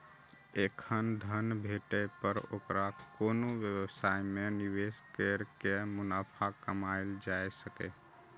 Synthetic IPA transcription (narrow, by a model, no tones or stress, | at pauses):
ekʰənd̪ʱənbʱeʈepəɾo̰ːkɾakoːnoʋjəwəsaimeniweskeɾkemʊnapʰakəmald͡ʒaesəkḛ